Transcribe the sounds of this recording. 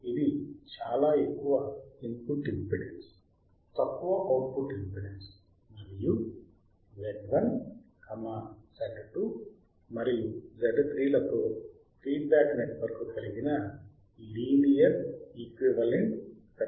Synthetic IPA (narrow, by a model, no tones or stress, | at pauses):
id̪it͡ʃaːlaːekːuʋɐinp̪uʈimpiɽens | t̪ɐkːuʋɐʔɐwʈpuʈimpiɽens | mɐɾiju | ʋeɖʋɐnkɐmasɐʈʈu | mɐɾijud͡ʒɐɖt̪ɾiːlɐt̪oː | t̪ɾiːbaːkneʈʋɐɾkukɐliɡinɐ | liːnijɐɾikʋiʋɐleɳʈ | kɐ